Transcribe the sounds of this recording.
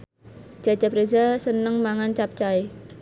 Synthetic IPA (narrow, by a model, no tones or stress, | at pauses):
d͡ʒ̥a̤̥d͡ʒ̥a̤pɾezasənəŋmaŋant͡ʃap̚t͡ʃae